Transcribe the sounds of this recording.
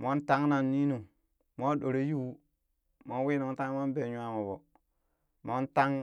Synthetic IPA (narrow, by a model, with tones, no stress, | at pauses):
mo˦nta˦ŋna˨nːi˦nu˨ | mo˦ɗo˨ɾe˦ju˦ | mo˦nwi˦no˨ŋ˦ta˦mo˦nbe˨ɲu˦a˦mo˨bo˨ | mo˦nta˦ŋ